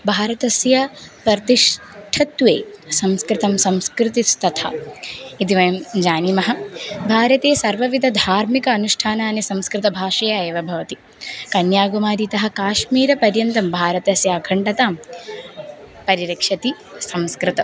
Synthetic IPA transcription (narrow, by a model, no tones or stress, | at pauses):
bʱaːɾɐt̪ɐsjɐpɐɾt̪iʂ | ʈʰɐt̪ʋeːsɐmskɾɪt̪ɐmsɐmskɾɪt̪ist̪ɐt̪ʰa̰it̪iʋɐjɐmd͡ʒaːnimɐɦɐ̆bʱaːɾɐt̪eːsɐɾʋɐʋid̪ʱɐd̪ʱaːɾmikɐːnuʂʈʰaːnaːnisɐmskɾɪt̪ɐbʱaːʃɐjaeːʋɐbʱɐʋɐt̪i | kɐnjaːɡumaːɾit̪ɐɦɐ̆kaːʃmiːɾɐpɐɾjɐnt̪ɐmbʱaːɾɐt̪ɐsjaːkʰɐɳɖɐt̪aːm | pɐɾiɾɐkʂɐt̪i | sɐmskɾɪt̪ɐ